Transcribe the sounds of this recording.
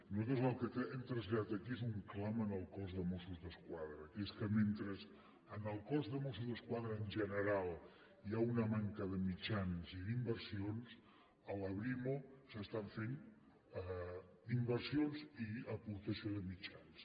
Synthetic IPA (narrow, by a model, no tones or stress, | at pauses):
nuzat̪ozəlˠkət̪ɛmt̪ɾəzʎaðat̪əkiezuŋklamənəlˠkɔzðəmosuzðəskwaðɾəkeskəment̪ɾəz | ənəlˠkɔzðəmosuzðəskwaðɾəːnʒənəɾalˠ | jaunəmaŋkəðəmit͡ʃanziðimbəɾsions | ələβɾimosəst̪aɱfen | d̪imbəɾsionziəpuɾt̪əsioðəmit͡ʃans